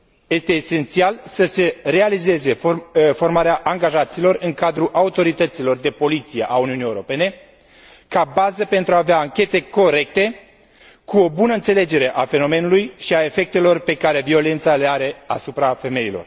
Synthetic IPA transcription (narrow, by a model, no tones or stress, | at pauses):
je̞st̪e̞ːse̞nt̪sialsəse̞re̞alize̞ze̞fo̞rmaɾeaʔaŋɡaʒat̪silo̞rɨŋkad̪ɾuʔaut̪o̞ɾit̪ət̪silo̞rd̪e̞po̞lit̪sijeʔauniunijewɾo̞pe̞ne̞ | kabazəpe̞nt̪ɾuaːveaːŋkʲe̞t̪e̞ko̞ɾe̞k̚t̪e̞ | kuo̞bunəɨnse̞le̞d͡ʒe̞ɾe̞ʔafe̞no̞me̞nulujʃiae̞fe̞k̚t̪e̞lo̞rpe̞kaɾe̞vio̞le̞nt̪sale̞aɾe̞a̰supɾafe̞me̞jilo̞̰r